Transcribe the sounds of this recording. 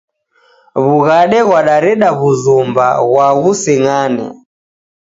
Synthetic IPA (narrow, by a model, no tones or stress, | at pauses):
βuɣaɗɛɣwaɗaɾɛɗaβuzumba̰ɣwaɣusɛŋanɛ̰